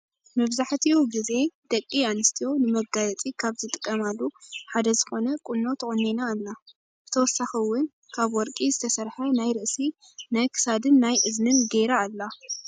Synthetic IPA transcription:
mɐβzaħt̪ʰiuɡize̞d̪̥ɐkʼːianɨst̪ʰijo̞nɨmɐɡajɐt͡sʼikʰaβzɨt̪ʼɨkʼːɐmalːuħad̪ɐzɨxo̞nɐkʼunːo̞t̪ʰɨʔʼonːenalːa | b̥ɨt̪ʰɐwɔsːaxiwːʊn | kʰaβwɔɾkʼizɨt̪ʰɐsɐɾħɐnajɾɨʔsi | najkʰɨ̥sad̪ɨnːajʔɨznɨnɡeɾaːlːa

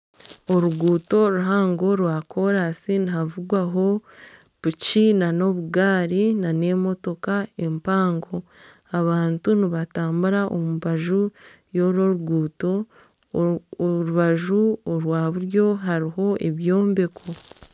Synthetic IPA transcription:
oɾuɡuːto̞ɾuɦaːŋɡo̞ɾwaːkʰo̞ɾasiniɦavuɡwaɦo̞ | βucinano̞βuɡaːɾinane̞mo̞to̞kae̞mpaːŋɡo̞ | aβaːntuniβataːmbuɾaʔomuβaʒu | jo̞ɾo̞ɾuɡuːto̞ | ɾuβaʒuoɾwaːβuɾjo̞ɦaɾiɦo̞ʔe̞βjo̞ːmbe̞kʰo̞

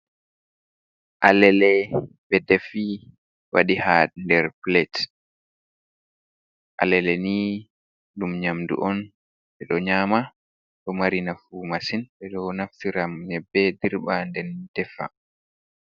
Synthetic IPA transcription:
ʔalɛlɛ | bɛdɛfi | wa̰ɗihandɛɾplɛt | ʔa̰lɛlɛni | dumɲamdṵʔɔn | ɓɛɗɔɲaːma | ɗɔmaɾinafumasinɓɛɗɔnaftiɾamɲɛbːɛdiɾɓandɛnd̥ɛfa̰

